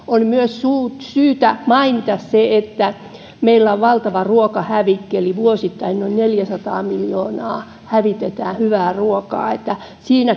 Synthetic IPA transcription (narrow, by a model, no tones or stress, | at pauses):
olmyøssuːtsyːt̪æmɑinit̪ɑsseet̪ːæ | meilːæoʋʋɑlt̪ɑʋɑruokɑhæʋikːeliʋuosit̪ːɑinnoinneljæsɑt̪ɑːmiljoːnɑː | hæʋit̪et̪æːhyʋæːruokɑ̰ːet̪ːæ | siːnæ